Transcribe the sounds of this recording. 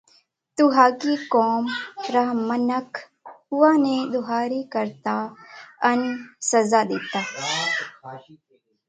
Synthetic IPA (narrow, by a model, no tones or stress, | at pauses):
t̪uɦaːkiːkoːmɾaɦmənək | huaːnẽd̪ʊɦaːɾikəɾt̪aɐnsɐzaːd̪eːt̪aː